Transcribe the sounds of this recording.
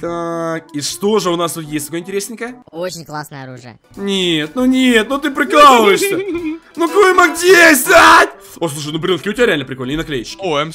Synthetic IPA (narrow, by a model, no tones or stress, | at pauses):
t̪akiʂt̪oʐɨʊnasvojesʲt̪ʲɐkoəɪnʲt̪ʲɪɾʲesnʲɪŋkəjəot͡ɕɪnʲklˠasnəjəɐɾuʐɨ̰jə̰ | nʲet̪nunʲet̪̚not̪ɨpɾʲɪklˠalˠəvəjɪʂsʲənukojəmɐk̚d̪ʲesʲd̪ʲatʲ | osˠuʂ̬əjnubɾʲilˠkʲiɪʊtʲɪbʲaɾʲɪalnəpɾʲɪko̞lʲnəɪnɐklʲejɪɕɪ̥oɛm